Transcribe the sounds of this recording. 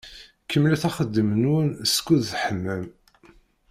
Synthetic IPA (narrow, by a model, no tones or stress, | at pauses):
kːəmːlæθæχəd̪ːəmənwənskːuðθħəmːəm